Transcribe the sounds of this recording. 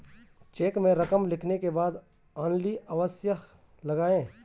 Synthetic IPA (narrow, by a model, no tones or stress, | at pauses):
t͡ʃeːkmẽɾɐkəmlɪkʰnekebaːd̪ | aːnliəʋəsjəɦ | lɐɡaːẽː